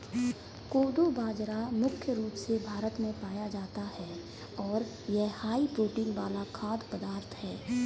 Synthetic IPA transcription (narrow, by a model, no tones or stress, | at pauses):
koːd̪obaːd͡ʒɾamʊkʰjəɾuːpsebʱaːɾət̪mẽpaːjad͡ʒaːt̪ahɛː | ɔːɾ | jɛhaːipɾoːʈĩːnʋaːlakʰaːd̪pəd̪aːɾt̪ʰɦɛː